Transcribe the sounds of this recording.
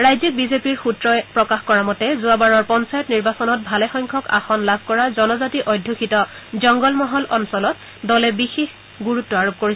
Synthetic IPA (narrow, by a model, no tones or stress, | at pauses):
ɹajzik̚bizepiɹxutɹɔɛpɹɔkaxkɔɹamɔtɛzuabaɹɔɹpɔnsajɔtniɹbasɔnɔt̚bʱalɛxɔjŋkʰɔka̰xɔnlabʱkɔɹazɔnɔzatiʔɔjdʱːukʰitɔzɔŋɡɔlmɔɦɔlɔnsɔlɔt | dɔlɛbixex | ɡuɹutːɔaɹop̚koɹis